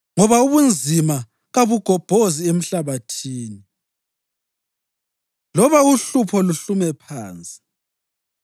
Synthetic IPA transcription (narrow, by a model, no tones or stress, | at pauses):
ŋɔβauβund͡zʱima | ɣaβuɡ̥ʱɔb̥ʱoziem̩ɬaβatʰiːni | lɔβauɬupʰɔluɬumɛpʰaːnt͡sʼi̥